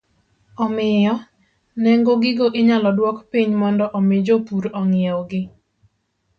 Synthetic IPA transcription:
ɔmɪjɔ | nɛŋɡoɡɪɡoʔɪɲalɔdwɔkpiɲmɔndɔʔɔmɪd͡ʒopuɾɔŋɪɛwɡɪ

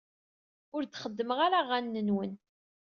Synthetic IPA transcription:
ʊɾθχəd̪ːəməʁaɾaʁænːənwən

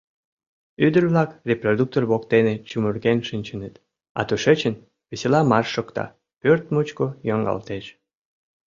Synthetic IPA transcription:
yd̪ərβlɑkrʲeprod̪uk̚t̪orβokt̪enet͡ɕumurɣenʃɨnʲt͡ɕənət̪ | ɑ̰t̪uʃet͡ɕən | βeselɑmɑrʃokt̪ɑ̰ | pørt̪mut͡ɕkojoŋɡɑ̰lt̪eʃ

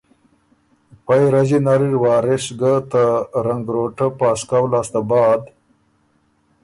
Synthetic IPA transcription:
pajɾɐzinaɾiɾwɑːɾɪʂɡat̪aɾɐŋɡɾoːʈapaːskawlaːst̪abɑːd̪

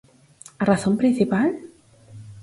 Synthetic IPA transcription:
araθõmpɾĩnθipal

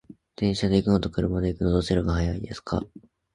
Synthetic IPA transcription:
d̪̥ẽ̞ɰ̃ɕad̪e̞ikɯ̟no̞t̪o̞kɯ̟ɾɯ̟mad̪e̞ikɯ̟nod̪oseɾɯɡahajaid̪e̞sɨ̥kʰa̰

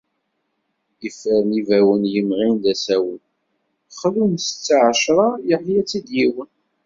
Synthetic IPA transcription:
ifəɾnivæwənjəmʁind̪æsæwən | χlunst͡sːaʕəʃɾˤɑjəħjæt͡sːid̪jiwən

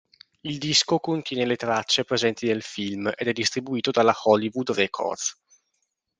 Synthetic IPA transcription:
ild̪iskokont̪jɛːnelet̪ɾat͡ʃːepɾezɛnt̪inelfilmḛd̪ɛd̪ːist̪ɾibuiːt̪od̪alaxɔlivud̪rɛkʰo̰rs

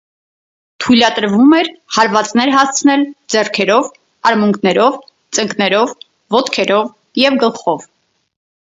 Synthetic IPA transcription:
t̪ʰujlɑt̪əɾvumɛɾhɑɾvɑt͡snɛɾɦɑst͡sʰnɛld͡zɛrkʰɛɾɔv | ɑɾmuŋkʰnɛɾɔv | t͡sʼəŋknɛɾɔvː | ɔt̪kʰɛɾɔv | jɛvɡəlχɔv

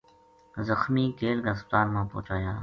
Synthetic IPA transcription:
zəxmiːkeːlɡəsp̚t̪aːɾmãːpo̰ːt͡ʃaːjaː

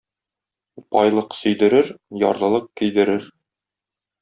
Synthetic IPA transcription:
pɒjlˠɤqsɵ̆jd̪ɘ̆ɾɘɾjɒ̰ɾðˠɤ̆lˠɤq̚kɵ̆jd̪ɘ̆ɾɘɾ

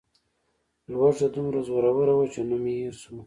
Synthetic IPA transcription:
lwaʐd̪ad̪umɾazwaɾawəɾawat͡ʃenamiiɾsu

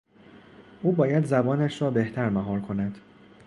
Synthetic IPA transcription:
ʔuːbɒːjæd̪zæbɒːnæʃɾɒːbeht̪ʰæɾmæɦɒːɾkʰo̞næd̪̥

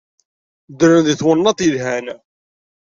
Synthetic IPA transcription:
d̪ɾənðiθwənːɑt̪ˤilɦæn

